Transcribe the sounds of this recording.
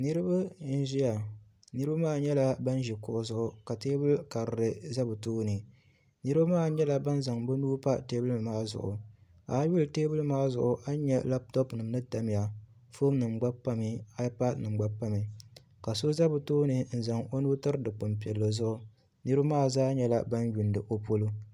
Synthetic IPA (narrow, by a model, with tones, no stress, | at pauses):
nɨ˦ɾɨ˦ba˦n̩˦ʒi˦ja˨ | nɨ˦ɾɨ˦ba˦maː˦˨ɲɛ˦la˦ba˦n˦ʒi˨kʊ˨ʔʊ˨zʊ˦ʔʊ˨ka˨teː˦bɨ˦lka˨ɾɨ˨ɾɨ˨za˦bɨ˨toː˦nɨ˨ | nɨ˦ɾɨ˦ba˦maː˦˨ɲɛ˦la˨ba˦n˦za˨ŋbʊ˦nuː˦pa˦teː˦bɨ˦ɨ˨maː˦zʊ̰˨ʔʊ̰˨ | a˨˦ju˦lɨ˨teː˦bɨ˦lmaː˦zʊ̰˨ʔʊ˨ʔa˦ɲɛ˦la˦b̚tɔ˦pnɨ˨m˦nɨ˦ta˨m˨ja˨ | fo˦mnɨ˨mɡ͡ba˦bpa˦mi˨a˦pa˦dnɨ˨mɡ͡ba˦pa˦mi˨ | ka˨so˦za˦bɨ˨toː˦nɨ˨n̩˨za˨ŋo˦nuː˦tɨ˦ɾɨ˦dɨ˨k͡pʊ˨mpi˨ɛ˨lːo˨zʊ˦ʔʊ˦˨ | nɨ˦ɾɨ˦ba˦maː˦˨zaː˦ɲɛ˦la̰˦ba˦n˦ju˨ndɨ˨ʔo˦po˦lu˦